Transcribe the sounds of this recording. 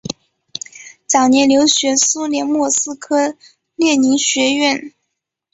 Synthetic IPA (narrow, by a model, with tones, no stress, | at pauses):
t͡sɑ˨˩ŋnjɛ˧˥nljo˧˥ʊɕɥɛ˧˥su˥ljɛ˧˥nmwɔ˥˩sɹ̩˥kʰɤ˥ | ljɛ˥˩ni˧˥ɕɥɛ˧˥ɥɛ˥˩n